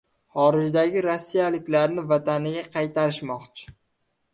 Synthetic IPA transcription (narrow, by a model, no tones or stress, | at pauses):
χɒɾɪd͡ʒd̪aɡʲɪɾasːijalɪkʲlaɾnɪvat̪ʰanɪɡʲaqʰɑjt̪ʰaɾɪʃmɒqt͡ʃʰɪ̥